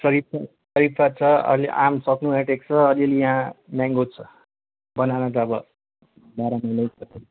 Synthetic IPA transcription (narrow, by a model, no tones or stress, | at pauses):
sʌɾip̚ʰa | sʌɾipʰat͡sʰʌʌ̰lḛʔamsʌknueʈek̚t͡sʰʌːliʌlejaɦãmaŋɡot͡sʰʌ | bʌnanʌt̪ʌːbʌ | baɾananʌjsʰʌke